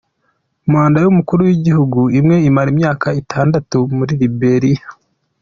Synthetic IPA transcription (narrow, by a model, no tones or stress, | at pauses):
umwaːndajumukuɾuwiɟihuɡuimŋe̞imaɾimɲaːkaitʰaːndatumuɾiɾibe̞ɾia